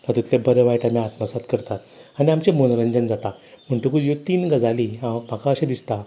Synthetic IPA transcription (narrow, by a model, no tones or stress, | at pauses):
t̪at̪ut̪lebəɾeʋajʈamiat̪masat̪kəɾt̪at̪aniamt͡ɕemonɾəɲd͡ʑənd͡zat̪a | m̤əɳʈukujot̪iːnɡəd͡zaliam̤akaəɕẽd̪ist̪a